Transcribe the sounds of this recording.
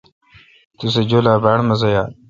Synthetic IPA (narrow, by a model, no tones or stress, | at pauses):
t̪us̬ed͡ʑoːlaːbaːɽmɐz̬ɐjaː